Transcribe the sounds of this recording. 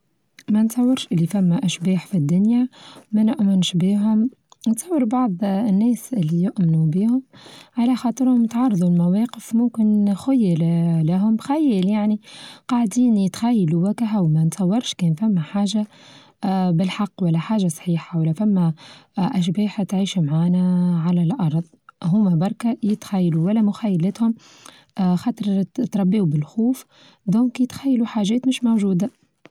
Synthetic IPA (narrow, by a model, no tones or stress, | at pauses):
mænt̪sˤɑwːɪɾʃʔɪlːifæmːæʔæʃbiːħfid̪ːʊnjæmænɪʔmɪnʃbiːɦʊm | nt̪sˤɑwːəɾbɑʕðˤnːɛːsʔɪlːijʊʔmɪnubiːhʊmʕalæxɑːt̪ˤɨɾhʊmt̪ʕɑrˤːðˤulmæwɑːqəfmʊmkɪnxʊjːəllæɦʊmxæjːəljaʕniqɑʕd̪iːnt̪xæjːluwækɪɦawmænt̪sˤɑwːɪɾˤʃkɛːnfæmːæħaːʒa | bɪlħɑqːwælːæħaːʒasˤħiːħawælːæfæmːæʔæʃ̬bɛːħt̪ʕiːʃumʕaːnæʕalælʔɑɾˤðˤɦʊmæbɑɾˤkæjɪt̪xæjːluwælːæmʊxæjːalɪt̪hʊm | xɑːt̪ˤəɾˤt̪ɾˤɑbːeːubɪlxuːf | d̪ɔːŋkjɪt̪xæjːluħaːʒɛːt̪mɪʃmowʒuːd̪a